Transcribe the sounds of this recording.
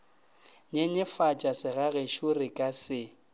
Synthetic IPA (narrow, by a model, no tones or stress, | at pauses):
ɲeɲɪfat͡ʃʼasɪɣaɣeʃurɪkʼasɪ